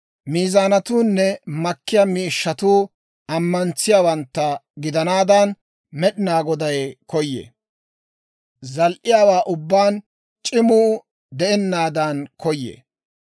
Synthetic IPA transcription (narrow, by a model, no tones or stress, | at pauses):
miːzaːnɐt̪uːnːɛmɐkːɪjɐmiːʃːɐt̪uː | ɐmːɐnt͡sːɪjaːwɐnt̪ːɐɡɪd̪ɐnaːd̪ɐn | mɛɗɪnaːɡɔd̪ɐjkɔjːḛː | zɐlʔɪjaːwaːʔʊbːaːn | t͡ʃʼɪmuː | d̪ɛɛnːaːd̪ɐnkɔjːḛː